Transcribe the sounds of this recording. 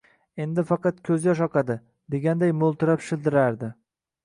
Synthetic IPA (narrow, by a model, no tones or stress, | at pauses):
e̞nd̪ɪfɑqɑt̪kʲʰɵzjɒʃ̬ɒqʰɑd̪ɪ | d̪e̞ɡʲand̪ajmolˠt̪ɪɾapʃɪlˠd̪ɪɾaɾd̪ɪ